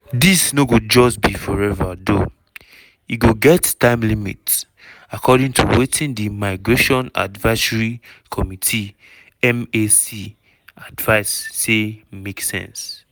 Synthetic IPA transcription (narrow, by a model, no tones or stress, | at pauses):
disnoɡod͡ʒɔsbifɔɹɛvado | iɡoɡɛttãɪ̃mlimḭts | akʰɔdĩŋtʰṵwetĩndimaɪɡɹeʃɔ̃na̰dvaɪsɹikʰɔmitʰi | ɛmesi | advaɪsːemeksɛ̰̃ns